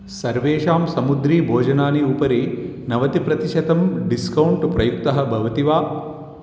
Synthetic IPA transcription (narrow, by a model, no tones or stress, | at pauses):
sɐɾʋeːʂaːmsɐmud̪ɾiːbʱoːd͡ʒɐnaːniupɐɾinɐʋɐt̪ipɾɐt̪iʃɐt̪ɐmɖiskɐwuɳʈpɾɐjuk̚t̪ɐɦɐ̆bʱɐʋɐt̪iʋaː